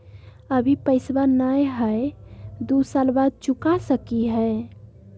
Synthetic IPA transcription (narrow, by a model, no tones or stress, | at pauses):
əbʱipəɪsbanajɦə | d̪usalbad̪̚t͡ʃukasəkiɦəe